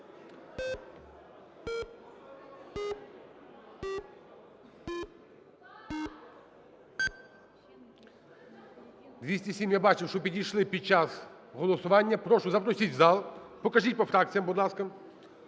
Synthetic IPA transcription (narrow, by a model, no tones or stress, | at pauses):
d̪ʲisʲtʲisʲimjabat͡ʃɪwʂɔpʲiɾʲijʃlˠɪpʲid̪̚t͡ʃasɣɔlˠɔsʊʋanʲːɐpɾɔʂʊzɐpɾɔsʲitʲzalˠpɔkɐʐit̚ʲpɔfɾakt̪sʲijɐmbʊd̪lˠaskɐm